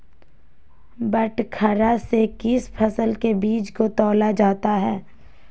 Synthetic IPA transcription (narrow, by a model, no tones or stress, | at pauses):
bəʈkʰɐɾasekɪspʰɐsəlkebiːt͡ʃkot̪ɔːlad͡ʒaːt̪aɦɛː